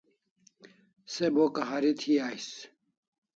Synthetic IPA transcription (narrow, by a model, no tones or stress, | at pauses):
sebokɐɦɐɾit̪ʰiaːjs